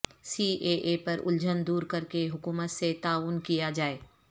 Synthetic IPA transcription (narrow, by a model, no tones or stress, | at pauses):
siːʔeːʔeːpɐɾʔʊ̰ld͡ʒənd̪uːɾkɐɾkeɦʊkuːmət̪set̪aːʋʊnkijad͡ʒaːeː